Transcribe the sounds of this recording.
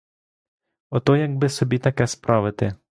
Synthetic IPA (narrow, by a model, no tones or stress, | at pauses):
ɔt̪ɔjɐɡ̚bɪsɔbʲit̪ɐkɛspɾʔɑʋɪt̪ɪ